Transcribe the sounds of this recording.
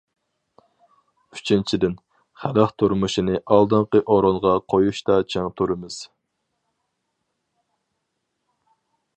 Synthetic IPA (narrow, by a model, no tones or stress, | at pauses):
y̥t͡ʃʰint͡ʃʰid̪ɪn | χælæχt̪ʰuɾmuʃinɨʔɑlˠd̪ɨɴqəʔoɾonʁɑqʰojuʃt̪ɑt͡ʃʰeŋt̪ʰuɾɨmɨz̥